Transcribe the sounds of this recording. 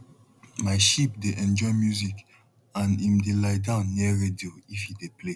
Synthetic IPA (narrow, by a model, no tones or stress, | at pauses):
maɪʃip̚deʔɛ̃nd͡ʒɔɪmjuzik | ãnĩmdelaɪdãʊ̃nːiəɹedioifideple